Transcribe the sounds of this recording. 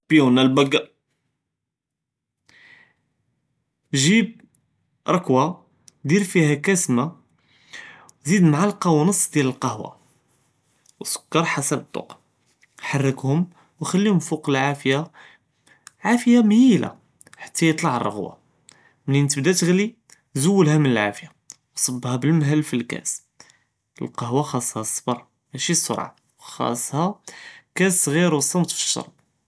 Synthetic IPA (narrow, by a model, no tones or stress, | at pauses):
bjunælbæɡːa | ʒib̚ | ɾˤɑkwa | d̪iɾfihækæsma | wzid̪mʕalqɑwnəsˤːd̪jæləlqɑhwa̰ | wsʊ̥kːɑɾˤħasæbət̪ˤːo̰q | ħɑrˤːəkhʊm | wxælːihʊmfuqəlʕafja | ʕafəjamhila̰ | ħḁt̪ːæjət̪ˤlɑʕərˤːɑ̰ɣwa̰ | mlint̪əbd̪æt̪əɣli | zʊwːəlhæmənəlʕa̰fəja | wsˤɑbːhæbəlmɦəlːfilkæ̰s | əlqɑɦwaxɑsˤːhɑsˤːbɑɾˤ | mæʃisˤʊ̰ɾˤʕa̰ | wxɑ̰sˤːhɑkæsɣiɾwsˤːɑmt̪fə̥ʃːɑ̰ɾˤb̚